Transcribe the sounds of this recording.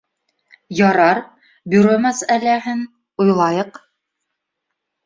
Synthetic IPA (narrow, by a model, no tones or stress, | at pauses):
jɑɾɑɾ | bɵ̆ɾɵmæsælæɦɘn | ojlˠɑjɤq